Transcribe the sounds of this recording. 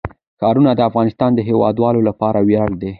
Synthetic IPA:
kɑɾunad̪əafɣɑnɪst̪ɑnd̪əɦewɑ̰d̪wɑlolapɑɾawjɑɽd̪e

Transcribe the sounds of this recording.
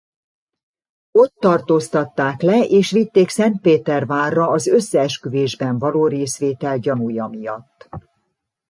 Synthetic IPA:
o̞t̪ːɒrt̪oːst̪ɒt̪ːaːklɛʔeːʃʋit̪ːeːksɛnt̪̚peːt̪ɛrvaːrːɒːzø̞sːɛːʃkyveːʒbɛɱvɒloːɾeːsʋeːt̪ɛlɟɒnujɒmijɒt̪ː

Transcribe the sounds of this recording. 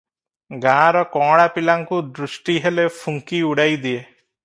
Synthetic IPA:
ɡãːɾɔkɔ̃ːɽapilaŋkud̪ɾusʈiɦelepʰuŋkiuɽajd̪ie

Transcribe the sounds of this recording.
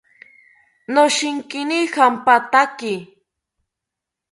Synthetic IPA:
noʃɪŋkɪnihampat̪akɪ

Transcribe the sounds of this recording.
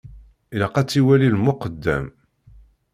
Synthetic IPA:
iləqɑt͡sːiwælilmʊqəd̪ːæ̰m

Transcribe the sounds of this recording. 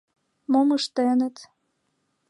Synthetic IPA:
moməʃt̪enə̆t̪

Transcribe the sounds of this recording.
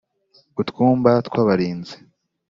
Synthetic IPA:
utkuːmbat̪kwaːβaɾiːnze̥

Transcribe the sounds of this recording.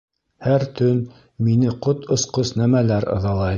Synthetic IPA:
hæɾt̪ɵn | minɘqot̪ŏsqosnæmælæɾɤ̰̆ðɑlˠɑj

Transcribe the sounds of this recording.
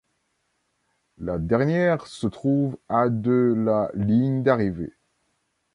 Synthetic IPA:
lad̪ɛʁnjɛʁsət̪χuvad̪əlaliɲd̪aʁivḛ

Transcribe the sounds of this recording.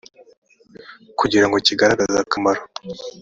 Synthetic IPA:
kuɟiɾaŋɡociɡaɾaɡazakʰamaɾo̞

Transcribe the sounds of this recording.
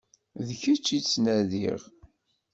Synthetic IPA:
ðçət͡ʃːit͡sːnæðḭʁ

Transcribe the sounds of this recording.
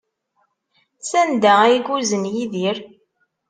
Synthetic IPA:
sænd̪æjiɡuzənjiðiɾ

